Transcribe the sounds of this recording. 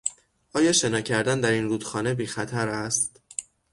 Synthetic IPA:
ʔɒːjɒːʃe̞nɒːcʰæɾd̪ænd̪æɾinɾuːd̪xɒːne̞biːxæt̪ʰæɾæst̪

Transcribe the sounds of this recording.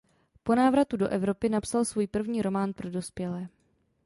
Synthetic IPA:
po̞naːvɾat̪udo̞ʔɛvɾo̞pɪnapsalsvuːjpr̩vɲiːɾo̞maːnpɾo̞do̞spjɛlɛː

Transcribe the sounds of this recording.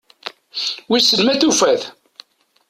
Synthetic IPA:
wisəlmæθufæθ

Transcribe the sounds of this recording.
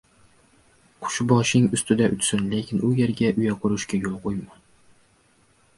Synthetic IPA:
qʰʊ̥ʃbɒʃɪŋʊst̪ɪd̪aʔʊt͡ʃ̪sʏnlekʲʰɪnʊjeɾɡʲaʔʊjaqʰʊɾʊʃkʲajolˠqʰojmɑ

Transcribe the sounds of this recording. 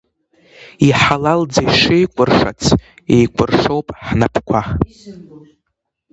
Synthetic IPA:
iħalald͡zajʂejkʷʼʊrʂa̰t͡sʰ | ḛjkʷʰʼʊrʂowpʼħnapʰkʷʰa

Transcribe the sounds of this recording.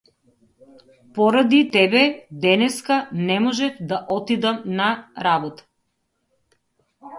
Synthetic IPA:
pɔɾad̪it̪ɛbɛd̪ɛnɛskanɛmɔʒɛfd̪aʔɔt̪id̪amnaɾabɔt̪ḁ

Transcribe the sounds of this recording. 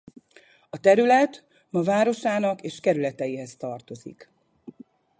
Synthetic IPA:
ɒt̪ɛɾylɛt̪ | mɒvaːɾo̞ʃaːnɒkeːʃkɛɾylɛt̪ɛjiɦɛst̪ɒrt̪o̞zḭk

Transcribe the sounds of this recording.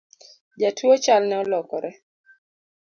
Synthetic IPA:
d͡ʒatʰuɔt͡ʃalnɛɔlɔkɔɾʔɛ

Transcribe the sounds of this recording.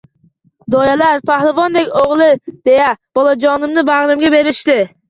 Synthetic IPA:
d̪ɔjɛlæɾpʰɑhlˠɨvɔnd̪ɛkʲoʁlˠɪd̪̥ejɛb̥olˠɑd͡ʒɒnɨmnɨbaʁɾɨmɡʲɛbeɾɪʃt̪ɪ

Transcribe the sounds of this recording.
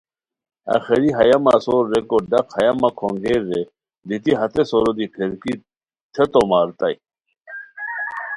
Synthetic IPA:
ɐ̰xeɾiɦɐjɐmasoːɾːekoɖɐqhɐjɐmakʰoŋɡeːɾːe | d̪it̪iɦɐt̪esoɾod̪ipʰeɾki | t̪ʰet̪omaːɾt̪ɐj

